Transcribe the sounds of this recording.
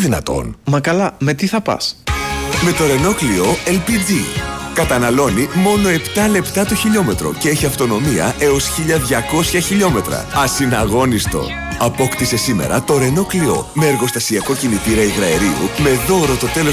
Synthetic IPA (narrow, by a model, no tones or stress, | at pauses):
ðinɐ̰t̪o̞̰nmɐkɐlɐme̞t̪iθɐpɐ̰s | me̞t̪o̞ɾe̞no̞klio̞elpid͡zikɐt̪ɐnɐlo̞nimo̞no̞e̞pt̪ɐle̞pt̪ɐt̪oçiʎo̞me̞t̪ɾo̞̰ce̞e̞çiɐft̪o̞no̞miɐ̰ʔe̞o̞sçiʎɐðʝɐko̞sçɐçiʎo̞me̞t̪ɾɐ̰ɐsinɐɣo̞nist̪o̞̰ | ɐpo̞kt̪ise̞sime̞̰ɾɐt̪o̞ɾe̞no̞klio̞̰meːɾɣo̞st̪ɐsiɐko̞cinit̪iɾɐiɣɾɐeɾiṵme̞ðo̞ɾo̞t̪o̞t̪e̞lo